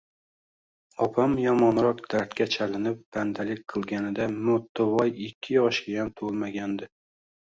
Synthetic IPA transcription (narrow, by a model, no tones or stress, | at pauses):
ɒpʰamjɒmɒnɾɒqd̪̥aɾt̪kʲat͡ʃʰalɪnɪp̚b̥and̪alɪk̚ʲqʰɨlˠɡʲanɪd̪amot̪ːʊvɒjɪkʲʰːɪjɒʃɡʲajamt̪ʰolˠmaɡʲand̪ɪ